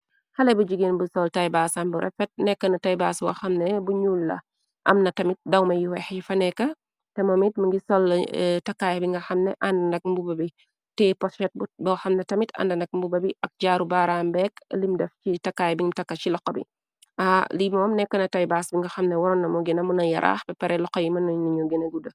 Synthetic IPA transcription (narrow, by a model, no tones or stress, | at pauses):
xɐlɛbuɟiɡenbusɔltajbaːsambuɾʔɛ̰fɛt̚nɛkːɐnɐtajbasbɔ̰xɐmnɛbuɲuːlːɐ̰ | ʔɐ̰mnɐtɐmit̚dɐwmɐjiwɛxjifɐnɛkːɐ | tɛmɔmitmɐŋɡisɔltɐkːaːjbiŋɡɐxɐmnɛʔɐndɐnɐk̚mbubɐbi | tɛpɔsɛt̚bbɔxɐmnɛtɐmitɐ̰ndɐnɐk̚mbubɐbiʔɐk̚ɟaːɾubaːɾaːmbɛklimdɛfcitɐkːaːjbiŋtɐkːɐcilɔkːɐbḭ | alibmɔmnɛkːɐnɐtɐjbaːsbiŋɡɐxɐmnɛwɔɾɔnːɐmɔɡinɐmunɐjɐɾʔa̰ːxbɛpɛɾɛlɔkːɐjimɐnɔnuɲuɡinɐɡudɐ